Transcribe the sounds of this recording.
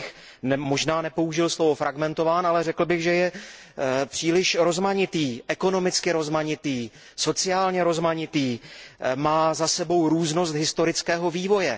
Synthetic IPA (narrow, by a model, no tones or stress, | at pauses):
x | nmo̞ʒnaːnɛpo̞uʒɪlslo̞vo̞fɾʔaɡmɛnt̪o̞vaːnalɛrɛkl̩bɪɣʒɛjɛ | pr̥iːlɪʃɾo̞zmaɲɪt̪iːʔɛkono̞mɪt͡skɪɾo̞zmaɲɪt̪iː | so̞t͡sɪaːlɲɛɾo̞zmaɲɪt̪iːmaːzasɛbo̞wɾuːzno̞s̬t̪ɦɪst̪o̞ɾɪt͡skɛːɦo̞viːvo̞jɛ